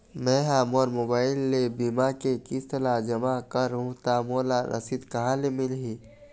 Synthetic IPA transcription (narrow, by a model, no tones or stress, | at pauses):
mɛ̃ːɦaːmoːɾmoːbaːɪlːebimakekɪst̪əlad͡ʒɐmakəɾɦũt̪amoːlaɾʔɐ̰sid̪kɐɦãlemɪlɦiː